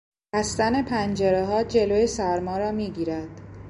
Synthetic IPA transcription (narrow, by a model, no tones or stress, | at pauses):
hæst̪æne̞pʰænd͡ʒeɾeɦɒːd͡ʒe̞loːjesæɾmɒːɾɒːmiːɟiːɾæd̪̥